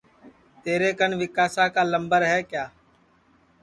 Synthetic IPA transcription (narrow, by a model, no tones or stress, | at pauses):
t̪eːɾeːkənʋɪkaːsaːkaːləmbəɾɦɛːkjaː